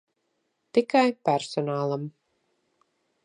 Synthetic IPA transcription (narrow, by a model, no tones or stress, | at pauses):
t̪ikajpæɾsɔnaːlˠam